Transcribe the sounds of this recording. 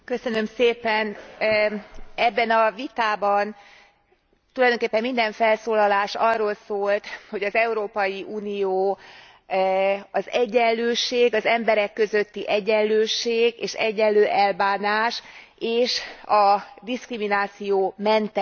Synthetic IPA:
kø̞sø̞nø̞mseːpɛn | ɛbːɛnɒvit̪aːbɒn | t̪ulɒjd̪oŋkeːpːɛmːind̪ɛɱfɛlsoːlɒlaːʃɒrːoːlsoːlt̪ho̞ɟɒzɛuɾoːpɒjiʔuːnijoː | ɒzɛɟːɛlløːʃeːɡɒzɛmbɛɾɛkːø̞zøt̪ːiʔɛɟːɛnløːʃeːɡeːʃɛ̰ɟːɛllːøːʔɛlbaːnaːʃ | eːʃɒd̪iskriminaːt̪sijoːmɛnt̪ɛ

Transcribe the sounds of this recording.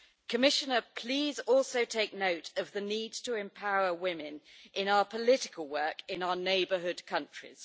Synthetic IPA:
kʰəmɪʃənəpʰl̥iːzɔˑlˠsəʊtʰeɪk̚nəʊtəvðəniːdtʰəɛ̃mpʰaʊəwɪ̃mɪ̃nʔɪ̃naʊəpʰəlɪtɪ̥kʰəlˠwɜˑkɪ̃naʊəneɪbəɦʊdkʰʌ̃nt͡ʃɹ̥ɪ̰z̥

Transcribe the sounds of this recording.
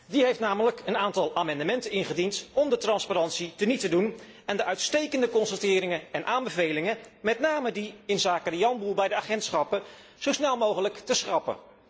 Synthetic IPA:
diɦejftnaːmələkənaːntɑlˠaːmɑndəmɛntənɪnχədintɔmdətrɑnspaɾɑntsitənitədun | ɛndəʔœɥtstejkəndəkɔnsətɪːɾɪŋəɛnʔaːmbəvejlɪŋəmɛtnaːmədiɪnzaːkərijɑnbulˠbɛjdəaːχɛntsχɑpə | z̥owsnɛlˠmowχələktəsχrɑpə̰

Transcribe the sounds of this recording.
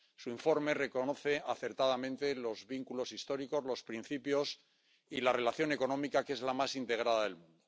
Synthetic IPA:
suiɱfo̞ɾmere̞ko̞no̞θe̞aθe̞ɾt̪aðamẽ̞nt̪e̞lo̞zβiŋkulo̞sist̪o̞ɾiko̞zlo̞spɾin̟θipjo̞s | ilare̞laθjo̞ne̞ko̞nõ̞mikake̞zlamasint̪e̞ɣ̞ɾaðaðe̞lmũnd̪o

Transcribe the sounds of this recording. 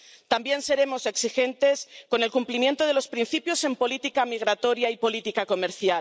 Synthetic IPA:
t̪ambje̞nse̞ɾe̞mo̞se̞ksixe̞nt̪e̞sko̞nelkumplimjẽ̞nt̪oð̞e̞lo̞spɾin̟θipjo̞se̞mpo̞lit̪ikamiɣ̞ɾat̪o̞ɾjaipo̞lit̪ikako̞me̞ɾθjal

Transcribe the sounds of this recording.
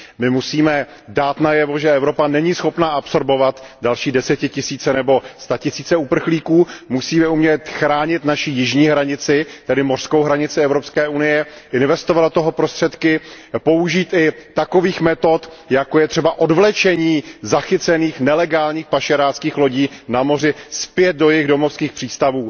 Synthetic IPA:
mɪmusiːmɛ | daːt̪najɛvo̞ʒɛɛvɾo̞panɛɲisxo̞pnaːʔapso̞ɾbo̞vat̪dalʃiːdɛsɛcɪcɪsiːt͡sɛnɛbo̞st̪acɪsiːt͡sɛupr̩xliːkuːmusiːmɛumɲɛt̪xɾaːɲɪt̪naʃijɪʒɲiːɦɾaɲɪt͡sɪt̪ɛdɪmor̥skowɦɾaɲɪt͡sɪɛvɾopskɛːʔunɪjɛʔɪnvɛst̪ovadot̪oɦopɾo̞st̪r̥ɛt̪kɪ | po̞uʒiːt̪ɪt̪ako̞viːxmɛt̪o̞t̪jakojɛt̪r̥ɛbaʔo̞dvlɛt͡ʃɛɲiːzaxɪtt͡sɛniːxnɛlɛɡaːlɲiːxpaʃɛɾaːskiːxlo̞ɟiːnamo̞r̝ɪspjɛt̪̚do̞jɪɣdo̞mo̞fskiːxpr̥iːst̪avuː

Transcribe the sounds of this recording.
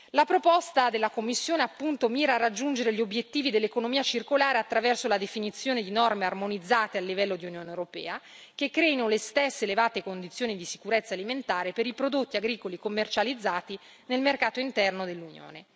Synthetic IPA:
lapɾopɔst̪ad̪elːakomːisːjoːneapːunt̪omiːɾaːrːad͡ʒːund͡ʒeɾeʎiobjet̪ːiːvid̪elːekonomiːat͡ʃirkolaːɾeat̪ːɾavɛrsolad̪efinit̪sːjoːned̪inɔrmearmonid̪zːaːt̪ealːivɛlːod̪iunjoːnewɾopɛːa | k̟ekːɾɛinolest̪esːeːlevaːt̪ekond̪it̪sjoːnid̪isi̥kuɾet̪sːaliment̪aːɾepeɾipɾod̪ot̪ːiaɡɾiːkolikomːert͡ʃalid̪zːaːt̪i | nelmerkaːt̪oint̪ɛrnod̪elːunjo̰ːne

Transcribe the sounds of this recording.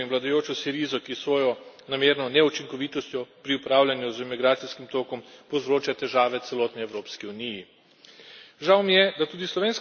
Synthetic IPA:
inʋlad̪ajoːt͡ʃɔsiɾizɔkisʋɔːjɔnameːɾnɔnɛut͡ʃiŋkɔʋiːt̪ɔst̪jɔpɾiupɾaːwljanjuzimiɡɾaːt̪siskimt̪oːkɔmpɔzɾoːt͡ʃat̪ɛʒaːʋɛt̪sɛlɔːt̪niɛwɾoːpskiuniji | ʒawmijɛd̪at̪uːd̪islɔʋeːns

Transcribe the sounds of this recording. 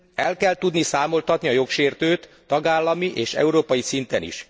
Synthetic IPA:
ɛlkɛlt̪ud̪nisaːmo̞lt̪ɒt̪niɒjo̞kʃeːrt̪øːt̪ːɒɡaːlːɒmiʔeːʃɛ̰uɾoːpɒjisint̪ɛnḭʃ

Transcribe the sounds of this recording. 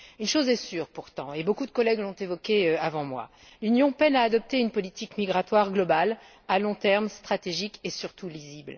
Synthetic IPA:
ynʃozɛsyːʁpuʁt̪ɑ̰̃ebokud̪əkɔlɛɡlɔ̃t̪evɔkʲeøavɑ̃mwa̰ | lynjɔ̃pɛnaːd̪ɔp̚t̪eynpɔlit̪ikmiɡʁat̪waʁɡlɔbal | alɔ̃t̪ɛʁmst̪χat̪eʒikesyʁt̪ulizibl

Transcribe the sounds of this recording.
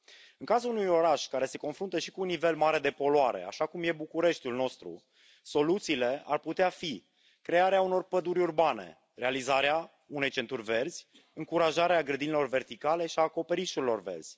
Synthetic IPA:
ɨŋkazulunujo̞ɾaʃkaɾe̞se̞ko̞nfɾunt̪əʃi̥kuːnːive̞lmaɾe̞d̪e̞po̞loaɾe̞̰a̰ʃakumje̞bukuɾe̞ʃt̪ʲulno̞st̪ɾṵ | so̞lut̪siːle̞a̰rput̪eafi | kɾe̞aɾeauno̞rpəd̪uɾʲurbane̞̰ | ɾe̞alizaɾea | une̞jt͡ʃe̞nt̪urʲve̞rd̪z̥ʲ | ɨŋkuɾaʒaɾeaɡɾəd̪inilo̞rve̞rt̪ikale̞ʃiaːko̞pe̞ɾiʃuɾilo̞rve̞̰rd̪z̥ʲ

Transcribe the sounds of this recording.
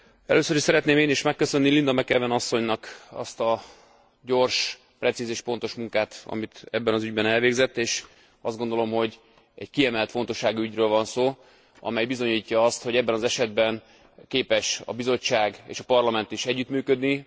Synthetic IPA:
ɛ̰løːsøɾiʃsɛɾɛt̪neːmeːniʃmɛkːø̞sø̞nːilind̪ɒmɛkɛvɛnɒsːo̞ɲnɒkɒ̰st̪ɒ | ɟo̞rʃ | prɛt̪sizeːʃpo̞n̪t̪o̞ʃmuŋkaːt̪ɒ̰mit̪ɛbːɛnɒzyɟbɛnɛlveːɡzɛt̪ːeːʃ | ɒ̰zd̪ɡo̞nd̪o̞lo̞mho̞ɟ | ɛ̰ckiɛmɛlt̪fo̞nt̪o̞ʃːaːɡuyɟrøːlvɒnsoː | ɒ̰mɛjbizo̞ɲiːcːɒɒst̪ho̞ɟɛbːɛnɒzɛʃɛd̪̚bɛn | keːpɛʃɒ̰bizo̞t͡ʃːaːɡḛːʃɒpɒrlɒmɛnt̪iʃɛɟːyt̪myːkø̞d̪ni

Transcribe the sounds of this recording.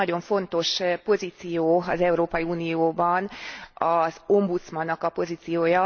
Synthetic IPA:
ɒɟo̞ɱfo̞nt̪o̞ʃpo̞ziːt̪sijoːɒzɛuɾoːpɒjiuːnijoːbɒnɒzo̞mbut̪smɒnːɒkɒpo̞ziːt̪sijoːjɒ

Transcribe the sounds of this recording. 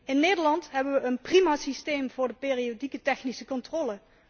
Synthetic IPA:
ɪnːeːdəɹlɑntɦɛbəʋəːnprimaːsistejmv̥ʊːɹdəpeːriodikətɛxnisəkɔntrɔlə

